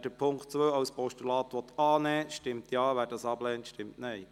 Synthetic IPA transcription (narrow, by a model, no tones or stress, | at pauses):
d̥əpʰʊŋktt͡sʋøːɑwspɔʃtylɑːtʋɔt̪ɑːnɛːʃtɪmtʰjɑːʋæːɾdɑsɑblɛːntʃtɪmtnɛɪ